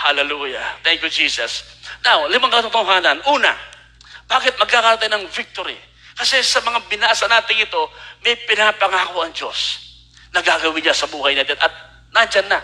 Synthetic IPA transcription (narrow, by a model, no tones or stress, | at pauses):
halɛluːjɐ̰t̪ɛŋkjud͡ʒiːsɐsnawlɪmaŋkɐt̪ɐt̪ɐɦaːnɐnʔuːnɐ̰ | baːkɪt̪̚mɐɡ̚kakaɾɐt̪ɐjnɐŋvɪk̚t̪oɾi | kɐsɛsɐmɐŋabɪnaːʔsɐnaːt̪ɪŋɪt̪o̞mɐjpɪnapɐŋaːkoʔɐŋd͡ʒo̞̰s | nɐɡaɡɐwɪɲɲasɐbuːɦɐjnɐd̪ɪnʔɐt̪̚ | nand͡ʒɐnːɐ